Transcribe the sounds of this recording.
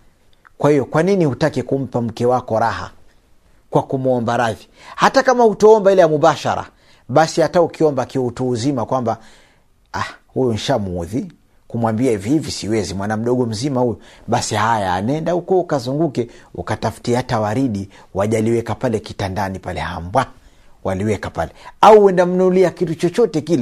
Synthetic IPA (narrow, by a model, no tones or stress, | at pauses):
kwahijɔkwaninihutakɛkum̩pam̩kɛwakɔɾaha̰ | kwakumuɔmbaɾaði | hatakamahutɔɔmbailɛjamuɓaʃaɾa̰ | ɓasihataukiɔmbakiwɛutuuzimakwamba | ahujun̩ʃamuuði | kumwambiaivihivisiwɛzimwanam̩ɗɔɠɔm̩zimahujɔɓasihaja̰ːnɛndahukɔukazuŋɡukɛukatafu̥tiatawaɾiɗi | waʄaliwɛkapalɛkitandanipalɛha̰mbwa | waliwɛkapa̰lɛauwɛndam̩nɔliakitut͡ʃɔt͡ʃɔtɛkilɛ